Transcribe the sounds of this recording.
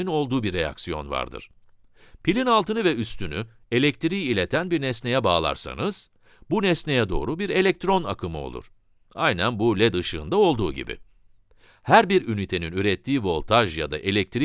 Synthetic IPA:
ino̞lˠd̪uːbiɾeja̰ksijo̞̰nva̰ɾd̪ɯ̰ɾ̥ | pʰilʲinalˠt̪ɯnɯvɛyst̪yny | e̞lʲɛc̚t̪ɾiːilʲet̪ʰænbiɾnɛsne̞jɛbaːlˠa̰ɾsa̰nɯz̥ | bunɛsne̞jɛd̪o̞̰ːɾubiɾe̞lʲɛc̚t̪ɾo̞na̰kʰɯmɯo̞̰lˠṵɾ̥ | ajnænbulʲɛd̪ɯʃɯːnd̪ao̞lˠd̪uːɟḭbɪ̰ | hæɾbiɾynit̪ʰe̞ninyɾɛt̪ʰːiːvo̞lʲˠt̪ʰaʒjad̪a̰ʔe̞lʲɛk̚t̪ʰɾi

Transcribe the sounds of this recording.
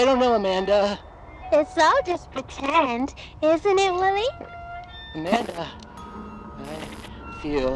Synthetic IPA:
ɪɾõʊ̃nːoʊəmæ̃ndə | ɪsalˠd͡ʒʌspʰɹ̥ɨtʰɛ̃nd | ɪzɨ̃ñɪt̚wɪlˠi | əmæ̃ndə | aɪ | fil

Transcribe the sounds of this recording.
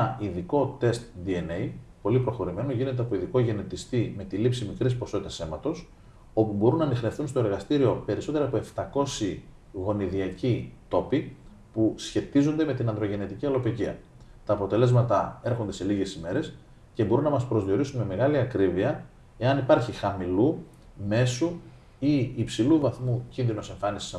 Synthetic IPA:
iðiko̞t̪e̞st̪̚d̪ienejpo̞lipɾoxo̞ɾime̞no̞ʝine̞t̪eɐpo̞iðiko̞ʝe̞ne̞t̪ist̪ime̞t̪ilipsimikɾispo̞so̞t̪it̪ɐse̞mɐt̪o̞s | o̞pubo̞ɾunːɐnixne̞fθunst̪oeɾɣɐst̪iɾio̞pe̞ɾiso̞t̪e̞ɾɐpoeft̪ɐko̞si | ɣo̞niðiɐcit̪o̞pi | pusçe̞t̪izo̞nd̪e̞me̞t̪inɐnd̪ɾoʝe̞ne̞t̪iciɐlo̞piciɐ̰ | t̪ɐːpo̞t̪e̞le̞zmɐt̪ɐe̞ɾxond̪e̞se̞liʝe̞sime̞ɾe̞s | ce̞bo̞ɾunɐmɐspɾo̞zðio̞ɾisunme̞me̞ɣɐliɐkɾiviɐ | e̞ɐnipɐɾçixɐmilu | me̞su | iːpsiluvɐθmucinðino̞se̞ɱfɐnisi̥s

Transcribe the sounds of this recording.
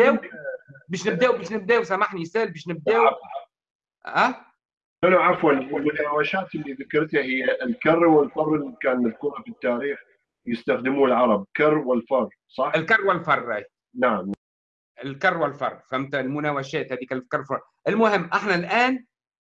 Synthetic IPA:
æː | bæːʃnɪb̚d̪æːʔwbæːʃnɪb̚d̪æːwsamaħnisæːlbæːʃnɪb̚d̪æːwa | æː | ʔɪnaʕafwalɪlmʊnaːwaʃaːt̪ɪlːiðakɑɾˤt̪ahɪjːaʔɪlkɑrˤːwɪlfɑrˤːɪlikaːnmɪðkʊɾafit̪ːaːɾiːx | jɪst̪axd̪ɪmuːlʕɑɾˤɑb̚kɑrˤːwɪlfɑrˤː | sˤɑħʔɪlkɑrˤːwɪlfɑrˤːaj | naʕamna | ɪlkɑrˤːwɪlfɑ̰rˤfæmt̪almʊnæːwaʃæːt̪hæːd̪iːkælkɑrˤfɑɾˤ | ʔɪlmʊhɪmːʔaħnalʔæːn

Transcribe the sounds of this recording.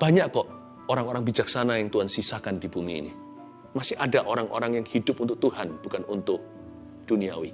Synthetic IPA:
b̥aɲaʔkɔʔ | oɾaŋoɾaŋbid͡ʒak̚sanajaŋt̪uansisakandibumḭːnḭ | masɪhadaʔoɾaŋo̰ɾaŋjaŋhidʊp̚unt̪ʊk̚t̪uhanb̥ukanunt̪ʊk̚ | d̥uniawi

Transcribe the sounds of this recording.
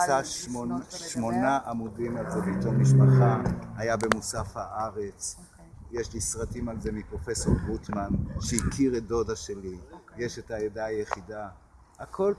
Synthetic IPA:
aoʃmo̞naʔamudimalzebito̞mmiʃ̬paχahajabe̞musafhaʔaʁet͡s | jeʃlisʁatimalze̞mipʁo̞fe̞so̞ʁbʁutmanʃeikʰiʁedo̞daʃelijeʃetajedajeχida | akʰo̞l

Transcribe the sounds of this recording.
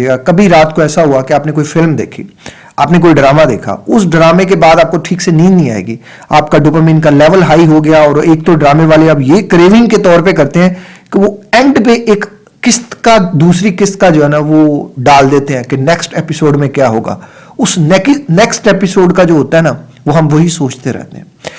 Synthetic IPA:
eːɡakɐbʱiɾaːt̪koɛːsaɦuakeaːpnek̬oːifɪlmd̪ḛːkʰḭː | a̰ːpnek̬oːiɖɾaːmad̪ḛːkʰa̰ʊsɖɾaːmek̬ebaːd̪aːp̚koʈʰiːkseniːnnĩa̰ːḛːɡiː | aːpkaɖʊpəmɪ̃nkalɛːʋəlɦaːiɦoɡɐjaɔːɾeːk̚t̪oɖɾaːmeʋaːleɐbjekɾeːʋɪ̃ŋɡket̪ɔːɾpekɐɾt̪eɦɛ̃ːkeʋoɛ̃ːɳɖpẽʔeːkː | ɪst̪kad̪uːsɾikɪst̪̚kad͡ʒoːɦɛːnaʋoɖaːld̪eːt̪eɦɛ̃ːkenɛksʈeːpɪsoːɖmẽkjaːɦoːɡa̰ː | ʊsnɛknɛksʈeːpɪsoːɖkad͡ʒoːɦoːt̪aɦɛna | ʋoɦɐmʋɐɦisoːt͡ʃt̪eɾɛ̰ɦt̪ḛɦɛ̰̃

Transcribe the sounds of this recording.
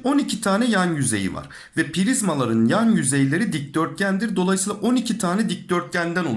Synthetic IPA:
o̞nicʰit̪ʰaːnɛjanjyze̞̰jḭva̰ɾ̥ | vɛpʰiɾizmalˠaɾɯnjanjyze̞jilʲe̞ɾid̪ic̚d̪̥øɾt̪̚cænd̪iɾd̪o̞lˠajsɯːlˠaaʔo̞nicʰit̪ʰaːnɛd̪ic̚d̪øɾt̪̚cænd̪æno

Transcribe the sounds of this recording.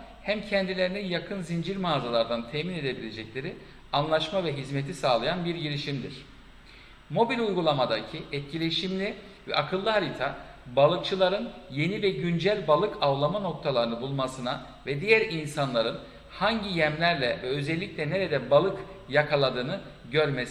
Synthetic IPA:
hæmcʰɛnd̪ilʲe̞ɾininjakʰɯnzind͡ʒiɾmaːzalˠaɾd̪ant̪ʰɛmine̞d̪e̞bilʲe̞d͡ʒɛclʲe̞ɾi | anlˠaʃmavɛɦizmet̪ʰisaːlˠajanbiɾɟiɾiʃimd̪iɾ̥ | mo̞bilʲujɡulˠamad̪acʰiɛt̪̚cʰilʲe̞ʃimlʲi | vɛ̰ʔakʰɯlˠːɯɦaɾit̪ʰabalˠɯkt͡ʃʰɯlˠaɾɯnje̞nivɛɟynd͡ʒælʲbalˠɯkʰavlˠamɯno̞k̚t̪ʰalˠaɾɯnɯbulˠmasɯna | vɛd̪ijæɾinsanlˠaɾɯn | haɲɟijɛmlʲæɾlʲɛvɛø̞zɛlʲːicʲlʲɛne̞ɾɛd̪ɛbalˠɯkjakʰalˠad̪ɯːnɯɟøɾmes

